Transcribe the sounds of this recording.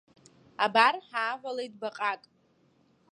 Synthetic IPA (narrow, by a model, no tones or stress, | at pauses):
abarħaːʕʷalejtʼbaqʼakʼ